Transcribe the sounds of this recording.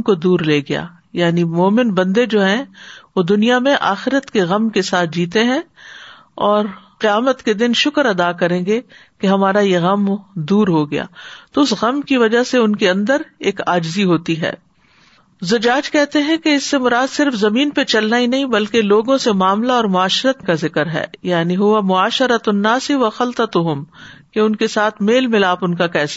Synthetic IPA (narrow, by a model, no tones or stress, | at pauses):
kod̪uːɾleːɡɐja̰ː | jaːnimoːmɪnbɐ̃nd̪ed͡ʒoːɦɛ̃ʋod̪ʊnijamẽʔa̰ːxɪɾət̪keɣɐmkesaːt̪̚ʰd͡ʒiːt̪eɦɛ̃ | ɔːɾqɪjaːmət̪ked̪ɪnʃʊkəɾɐd̪akɐɾẽːɡekeɦɐmaːɾajeɣɐmd̪uːɾɦoɡɐja̰ːt̪oʊsɣɐmkiʋɐd͡ʒaseʊnkeɐ̃nd̪əɾeːkaːd͡ʒziɦoːt̪iɦɛ̰ː | zʊd͡ʒaːd͡ʒkɛɦt̪eɦɛ̃keɪsːemʊɾaːd̪sɪɾfzɐmiːnpet͡ʃɐlnainɐɦĩbɐlkeloːɡõsemaːmlaɔːɾmʊaːʃɾət̪kazɪkəɾɦɛ̰ːjaːniɦʊʋamʊaːʃəɾət̪ʊnːaːsiʋɐxɐlt̪ət̪ʊɦʊmkeʊnkesaːt̪ʰmeːlmɪlaːpʊnkakɛːsḁ